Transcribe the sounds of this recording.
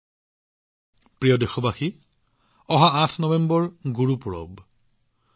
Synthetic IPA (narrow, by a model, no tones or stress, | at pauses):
pɹijɔdexɔbaxi | ɔɦaãtʰnɔbɛmbɔɹɡuɹupuɹɔ̰b